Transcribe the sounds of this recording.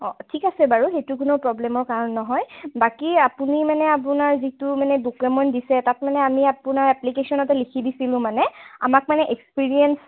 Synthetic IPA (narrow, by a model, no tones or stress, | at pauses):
ɔtʰikasɛbaɹuxejtukʊnopɹɔblɛmɔɹkaɹɔnnɔɦɔjbakiapunimanɛap̬unaɹzitumanɛbukɛmɔndisɛtat̚manɛamiapunaɹɛplikesɔnɔtɛlikʰibisilʊ̃manɛa̰mak̚manɛʔekspiɹiɛns